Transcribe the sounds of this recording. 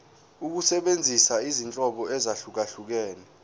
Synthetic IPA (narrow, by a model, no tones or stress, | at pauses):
uk̬usɛɓend͡zʱisaizint͡ɬʼɔɓɔɛzaɬuk̬aɬuk̬ɛːnɛ